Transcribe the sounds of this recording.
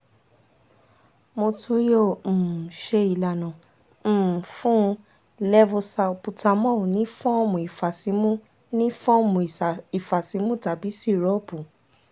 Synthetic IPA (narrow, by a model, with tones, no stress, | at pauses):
mo˧tʰũ˧˦jo˦˨m̩̃˨ʃe˧i˨la˨nã˨˦˨ | fũ˦ | lɛ˦vo˧sa˧o˧pu˧ta˧mɔ̃˦˨nĩ˦fɔ̃˦mũ˨i˨fa˨si˨˦mũ˦ | nĩ˦fɔ̃˦˨mũ˨i˨fa˨si˨˦mũ˦ta˨bi˨˦si˦˨ɾɔ˨˦bu˨